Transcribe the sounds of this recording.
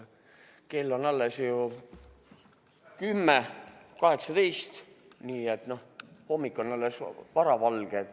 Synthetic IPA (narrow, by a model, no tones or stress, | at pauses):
ke̞lːo̞nɑlːesju | kymːekɑɦe̞ksɑd̪ejst̪ | niːet̪no̞homːikːˑo̞nɑlːesvɑɾɑvɑlɡ̥e